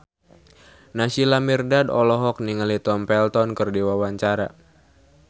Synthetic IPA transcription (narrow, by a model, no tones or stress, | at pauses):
nasilamirdadɔlɔɦɔk̚niŋəlit̪ɔmpɛlt̪ɔnkərdiwawaɲt͡ʃaɾa